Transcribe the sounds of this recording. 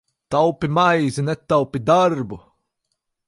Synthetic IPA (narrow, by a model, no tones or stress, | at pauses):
t̪awpimajzinet̪ːawpid̪aɾbu